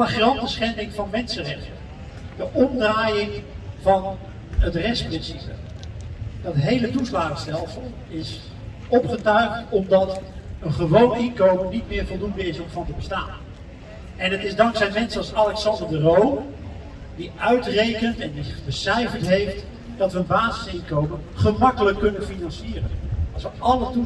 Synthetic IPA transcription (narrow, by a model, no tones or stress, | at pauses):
aχrɑntəsχɛndɪŋvɑnmɛnsərɛχtən | d̥əʔɔmdraːjɪŋvɑn | ətrɛstprɪnsipə̰ | d̥ɑtɦejlətuslaːχəstɛlˠsəlˠ | ɪs | ɔpχətœɥktɔmdɑtənχəʋownɪnkowməɹnitmɪːɹvɔlˠdundəɪsɔmfɑntəbəstaːn | ʔɛnətɪzdɑŋksɛjmɛnsəɑlˠsalɛksɑndəɹdərow | diœɥtrejkəntɛndibəsɛjvətɦejft | dɑtʋəənbaːzəsɪnkowmənχəmɑkələkːɵnənfinɑnsiːrənɑlˠsʋəʔɑlətu